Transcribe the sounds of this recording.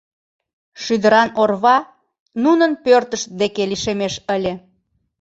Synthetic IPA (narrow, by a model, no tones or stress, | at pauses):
ʃyd̪əɾɑnorβɑ | nunənpørt̪əʃ̚d̪ekeliʃemeʃəlʲe